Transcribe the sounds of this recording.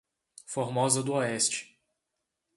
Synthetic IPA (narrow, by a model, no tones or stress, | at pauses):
foɾmɔzɐd̪ʊɔɛst͡ʃɪ̥